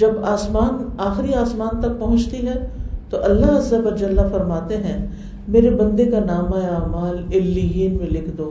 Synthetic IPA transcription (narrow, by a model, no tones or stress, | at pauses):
d͡ʒɐbaːsmaːnaːxɪɾiaːsmaːnt̪ɐk̚pɐɦʊ̃t͡ʃt̪iɦɛ̃t̪oʔɐlːaɦɐzːəʋɐd͡ʒɐlːafɐɾmaːt̪eɦɛ̃ | meːɾebɐ̃nd̪ekanaːmaeaːmaːlɪlːijiːnmẽlɪkʰd̪oː